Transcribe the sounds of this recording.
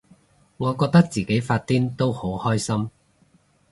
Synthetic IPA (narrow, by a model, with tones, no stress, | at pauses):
ŋɔː˨˧kɔː˧k̚t̪ɐ˥k̚t͡siː˨ke˨˥jfaː˧t̚t̪iː˥nt̪o˥who˨˥whɔː˥jsɐ˥m